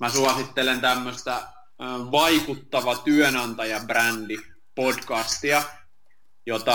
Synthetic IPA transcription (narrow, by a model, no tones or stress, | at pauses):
mæsuɑsit̪ːelent̪æmːøst̪æ | ʋɑikut̪ːɑʋɑt̪yønɑnt̪ɑjɑbrændi | podkɑst̪iɑ | jot̪ɑ